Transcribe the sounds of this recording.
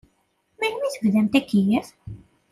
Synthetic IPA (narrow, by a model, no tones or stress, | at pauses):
mænmiθəvðæmt̪ækːijəθ